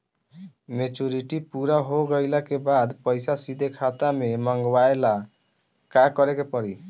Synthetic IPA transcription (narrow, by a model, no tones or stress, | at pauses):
met͡ʃuɾiʈipuɾaɦoɡəjlakebad̪pəjsasid̪ʱekʰat̪ameməŋɡwaela | kakɔɾekepɔɾi